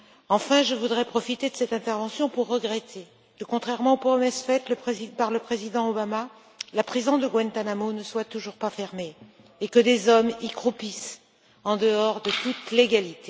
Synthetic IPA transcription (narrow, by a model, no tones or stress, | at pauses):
ɑ̃fɛ̃ʒəvud̪ʁɛpχɔfit̪ed̪əsɛt̪ɛ̃t̪ɛʁvɑ̃sjɔ̃puʁːəɡʁet̪ʰe | kəkɔ̃t̪χɛʁmɑ̃puʁɛmɛsfɛt̪ləpχezipaʁləpχezid̪ɑ̃obama | lapχizɔ̃d̪əɡwɛ̃nt̪anamonəswat̪uʒuʁpafɛʁmeː | kəd̪ezɔmikχupis | ɑ̃d̪əɔʁd̪ət̪ut̪leɡalit̪e